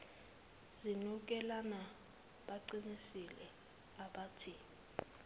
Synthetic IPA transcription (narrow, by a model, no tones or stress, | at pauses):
zinuk̬ɛlana | ɓaǀinisilɛ | aɓatʰi